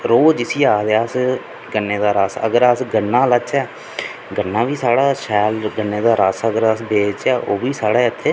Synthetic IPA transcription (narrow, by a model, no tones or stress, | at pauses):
ɾoːd͡ʒɪsiːaːd̪eaːs | ɡənːeːd̪aːɾaːsə̰ɡəɾəsɡənːãːlət͡ʃɛː | ɡənːaːʋiːsaːɽaːʃɛːlɡənːeːd̪aːɾaːsəɡəɾəsbeːt͡ʃɛːʔoːbiːsaːɽeːɪt̪ʰːeː